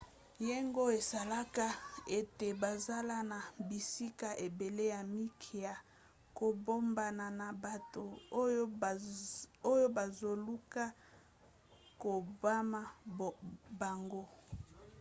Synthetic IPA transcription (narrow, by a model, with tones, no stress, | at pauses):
je˦ŋɡo˦e˨sa˨la˦ka˦e˦te˨ba˨za˦la˦na˨bi˨si˦ka˦ʔe˨be˨le˦ja˨mi˦kʰi˨ja˨ | ko˨bo˦mba˨na˨na˨ba˨to˨˦ | o˦jo˦ba˨zo˨lu˦ka˦ | ko˨ba˦ma˦ | ba˨ŋɡo˦